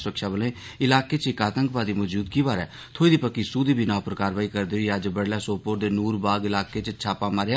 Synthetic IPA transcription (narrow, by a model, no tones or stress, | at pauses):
sʊɾəkʃaːbəlẽː | ɪlaːkeːt͡ʃɪkaːt̪əŋkpaːd̪iːmɔːd͡ʒuːd̪kiːbaːɾɛ̰ː | t̪ʰoːiːd̪iːpəkːiːsuːd̪iːbʱiːnãːpəɾkaːɾʋaːiːkəɾd̪eɦoiːəd͡ʒbəɽlaːsoːpoːʈd̪eːnuːɾbaːɡɪlaːkeːt͡ʃt͡ʃʰaːpaːmaːɾja